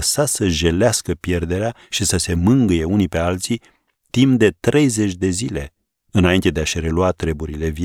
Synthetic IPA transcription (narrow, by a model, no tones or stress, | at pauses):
sasəʒe̞leaskəpje̞rd̪e̞ɾeaʃisəse̞mɨŋɡɨje̞unipe̞alt̪si | t̪imp̚d̪e̞t̪ɾe̞jze̞t͡ʃʲd̪e̞zile̞ | ɨnaint̪e̞d̪eaʃɾe̞luat̪ɾe̞buɾile̞vi